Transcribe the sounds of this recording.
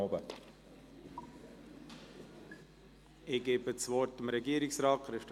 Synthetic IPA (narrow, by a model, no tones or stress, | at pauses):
obə | ɪɡ̥eːbət͡svɔɾtɪmɾɛɡiəɾɪksɾɑːtχɾɪft